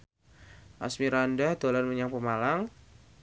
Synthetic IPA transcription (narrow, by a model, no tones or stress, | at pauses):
ʔa̰smiɾandahd̪̥o̤lanməɲaŋpəmalaŋ